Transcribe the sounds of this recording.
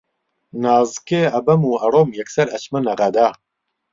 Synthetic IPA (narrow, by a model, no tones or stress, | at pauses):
nɑːzɨkeːɐbɐmuːɐɾoːmjɛksɐɾɐt͡ʃmɨnɐʁɐd̪aː